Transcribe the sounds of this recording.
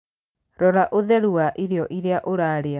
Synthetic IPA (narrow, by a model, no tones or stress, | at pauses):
ɾɔɾaʔoðɛɾuaʔiɾeɔʔiɾeaʔoɾaɾea